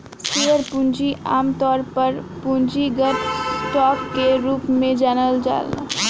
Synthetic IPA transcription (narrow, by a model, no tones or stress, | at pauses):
siːʋəɾpũnd͡ʒiʔaːmt̪ɔːɾpəɾpũnd͡ʒiɡəʈsʈɔːkːeɾuːpmẽd͡ʒɛːnəld͡ʒa̰ːlna̰ː